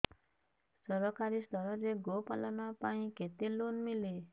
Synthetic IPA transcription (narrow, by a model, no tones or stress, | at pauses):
sɔɾɔkaɾist̪ʌɾɔɾeɡopa̰lanapaĩket̪elonmile